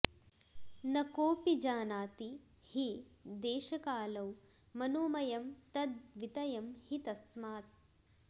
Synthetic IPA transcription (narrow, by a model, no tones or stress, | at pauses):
nɐkoːpid͡ʒaːnaːt̪i | hid̪eːʃɐkaːlɐw | mɐnoːmɐjɐmt̪ɐd̪ʋit̪ɐjɐmhit̪ɐsmaːt̪̚